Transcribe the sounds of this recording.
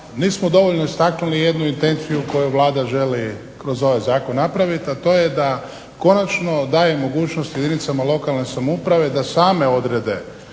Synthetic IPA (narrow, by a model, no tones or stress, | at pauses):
niːsmo̞d̪o̞ʋo̞ʎno̞ist̪aknulije̞d̪nuint̪e̞nt̪sijuko̞juʋlˠaːd̪aʒe̞li | kɾo̞zo̞ʋajzaːkonːapɾaʋit̪at̪o̞ːje̞d̪a | ko̞nat͡ʃno̞d̪aːjemo̞ɡuːt͡ʃnost̪jed̪init̪samalˠo̞kalˠne̞samupɾaʋe̞d̪asaːme̞o̞d̪ɾe̞d̪e̞